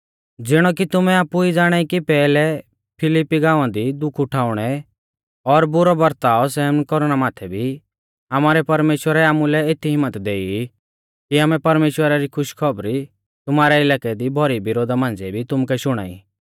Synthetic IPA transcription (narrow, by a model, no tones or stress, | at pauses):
d͡zɪɽ̃ɔk̬it̪ʊmɛaːpuid͡zaːɽ̃aːikipɛːlɛ | pʰɪlipːiɡãːãd̪id̪ʊkʰʊʈʰaːʊɽ̃ɛ | ɔɾbʊɾɔbɐɾt̪aːɔsɛːmnkɔɾʊɽ̃amaːt̪ʰɛbʱi | amaːɾɛpɐɾmeːʃwəɾɛaːmulɛeːt̪ʰːiɦɪmːət̪d̪eːi | kiaːmɛpɐɾmeːʃwəɾaɾikʰʊʃkʰɔbɾi | t̪ʊmaːɾɛɪlaːkɛd̪ibʱɔɾibɪɾoːd̪ʱamãːnd͡zɛbʱit̪ʊmkɛʃʊɽ̃a̰ːḭ